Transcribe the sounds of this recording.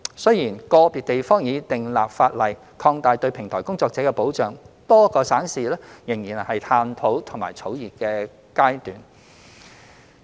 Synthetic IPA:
sɵ˥ɥjiː˨˩nkɔː˧piː˨t̚t̪e˨jfɔː˥ŋjiː˨˧t̪ɪ˨ŋlaː˨p̚faː˧t̚lɐ˨˩j | kʰɔː˧ŋt̪aː˨jt̪ɵ˧ɥpʰɪ˨˩ŋt̪ʰɔː˨˩jkʊ˥ŋt͡sɔː˧k̚t͡sɛː˨˥kɛ˧po˨˥wt͡ʃœː˨ŋ | t̪ɔː˥kɔː˧saː˨˥ŋsiː˨lɛ˥jɪ˨˩ŋjiː˨˩nhɐ˨jt̪ʰaː˧nt̪ʰo˨˥wt̪ʰʊ˨˩ŋmaː˨jt͡sʰo˨˥wjiː˨t̚kɛː˧ | kaː˥jt̪yː˨˥n

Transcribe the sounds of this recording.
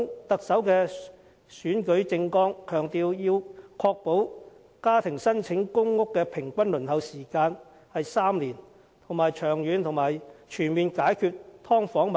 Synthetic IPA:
ŋt̪ɐ˨k̚sɐ˨˥wkɛː˧ | syː˨˥nkɵ˨˥ɥt͡sɪ˧ŋkɔː˥ŋkʰœː˨˩ŋt̪iː˧wjiː˧wkʰɔː˧k̚po˨˥w | kaː˥t̪ʰɪ˨˩ŋsɐ˥nt͡ʃʰɪ˨˥ŋkʊ˥ŋːʊ˥kːɛː˧pʰɪ˨˩ŋkʷɐ˥nlɵ˨˩nhɐ˨˧wsiː˨˩kaː˧n | hɐ˨jsaː˥mliː˨˩n | t̪ʰʊ˨˩ŋmaː˨˩jt͡ʃʰœː˨˩ŋjyː˨˧nt̪ʰʊ˨˩ŋmaː˨jt͡ʃʰyː˨˩nmiː˨nkaː˨˥jkʰyː˧t̚t̪ʰɔː˥ŋfɔː˨˥ŋma

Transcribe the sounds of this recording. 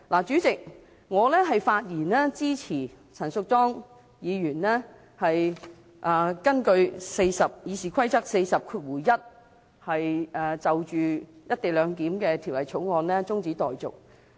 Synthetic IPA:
laː˨˩t͡ʃyː˨˥t͡sɪ˨k̚ | ŋɔː˨˧lɛː˥ɦɐ˨jfaː˧t̚jiː˨˩nlɛː˥t͡siː˥t͡sʰiː˨˩ | t͡sʰɐ˨˩nsʊ˧k̚tɔː˥ŋ | jiː˨˧ɥyː˨˩nlɛː˥ | hɐ˨j | ʔaː˨˩kɐ˥nkɵ˧ɥse˧jsɐ˨p̚jiː˨˧siː˨˩kʰɐ˥jt͡sɐ˥k̚se˧jsɐ˨p̚kʰuː˧t̚wuː˨˩jjɐ˥t̚ | hɐ˨jɛː˨t͡sɐ˨wt͡ʃyː˨jɐ˥t̪̚e˨jlœː˨˧ŋk̪iː˨˥mkɛː˧t̪ʰi˨˩wlɐ˨˩jt͡sʰo˨˥wŋɔː˧nlɛː˥t͡sʊ˥ŋt͡si˨˥t̪ɔː˨jt͡sʊ˨k̚

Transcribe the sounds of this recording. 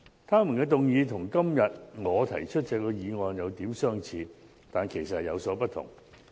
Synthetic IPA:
t̪ʰaː˥mu˨˩nkɛː˧t̪̬ʊ˨ŋjiː˨˧t̪ʰʊ˨˩ŋkɐ˥mjɐ˨t̚ŋɔː˨˧t̪ʰɐ˨˩jt͡ʃʰɵ˥t̚t͡sɛː˧kːɔː˧jiː˨˧ŋɔː˨njɐ˨˧wt̪iː˨˥msœː˥ŋt͡sʰiː˧ | t̪aː˨nkʰe˨˩jsɐ˨t̚hjɐ˨˧wsɔː˨˥pɐ˥t̚t̪ʰʊ̰˨˩ŋ

